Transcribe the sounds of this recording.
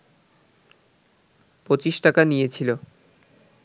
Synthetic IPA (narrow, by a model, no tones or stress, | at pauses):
pɾot͡ɕiʃʈakanijet͡ɕʰilo